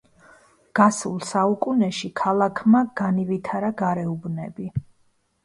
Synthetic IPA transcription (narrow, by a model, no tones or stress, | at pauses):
ɡ̥asṵlˠsaukʼunɛʃikʰalˠakʰmaɡ̥anivit̪ʰaɾaɡaɾɛubnɛbi